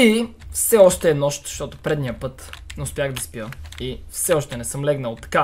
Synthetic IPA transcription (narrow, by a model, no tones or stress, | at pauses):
ifsɛɔʃt̪ɛːnɔʃt̪ʃt̪ɔt̪ʊpɾɛd̪nijəpɤt̪nɛʊspʲjaɣd̪ɐspijəifsɛɔʃt̪ɛnɛsɤmlɛɡnəlˠt̪ɐ̥ka